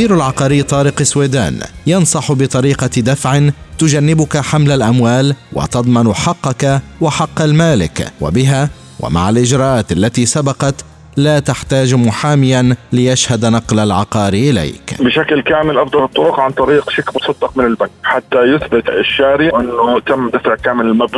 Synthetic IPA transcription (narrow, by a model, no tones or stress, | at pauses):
iːɾalʕɑqɑːɾiːt̪ˤɑːɾɪqɪsweːd̪a̰ːnjɑnsˤɑħbɪt̪ˤɑɾiːqɑd̪afʕɪnt̪ʊd͡ʒanːɪbʊkaħamlalʔamwaːlwa̰t̪ɑd̪ˤmɑnħɑqːɑkawaħɑqːalmaːlɪ̰kwa̰bɪɦa | wʔa̰ma̰ʕalʔɪd͡ʒɾˤɑːʔaːt̪ʔalːat̪iːsabɑqɑt̪ | laːt̪aħt̪aːd͡ʒmʊħaːmɪjanlɪjaʃhad̪nɑqlalʕɑqɑːɾiʔɪla̰jkbɪʃaklkaːmɪlʔɑfd̪ˤɑlɨt̪ˤːʊɾʊqʕant̪ˤɑɾiːqʃaklmʊsˤɑd̪ːɑq̚mɪnɪlbaŋkħat̪ːajʊθbɪt̪ɪʃːaːɾɪʔɪnːʊt̪amːd̪afʕkaːmɪlɪlmabl